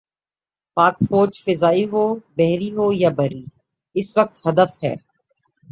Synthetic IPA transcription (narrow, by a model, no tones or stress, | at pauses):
paːkfoːd͡ʒfɪzaːiɦoːbɛɦɾiɦoːjabɐɾiː | ɪsʋɐk̚t̪hɐd̪əfɦɛ̰ː